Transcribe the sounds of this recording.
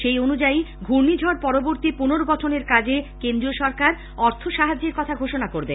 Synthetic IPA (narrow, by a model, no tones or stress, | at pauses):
ʃejonud͡ʑaiɡʱuɾnid͡ʑʱɔɾpɔɾoboɾt̪ipunoɾoɡɔʈʰoneɾkad͡ʑekend̪ɾioʃɔɾkaɾ | ɔɾt̪ʰoʃaɦad͡ʑeɾkɔt̪ʰaɡʱoʃonakoɾbe